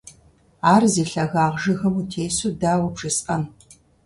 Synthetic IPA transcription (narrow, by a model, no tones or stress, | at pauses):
aːrziːɬɐɣaːʁʒɨɣɐmutʰeːsuːdaːwɐpʂɨsʔɐn